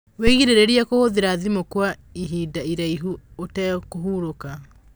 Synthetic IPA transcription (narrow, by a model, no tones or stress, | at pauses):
weɣiɾeɾeɾiakohoðeɾaðimokwaiɦidaiɾaiɦuotɛkoɦuːɾoka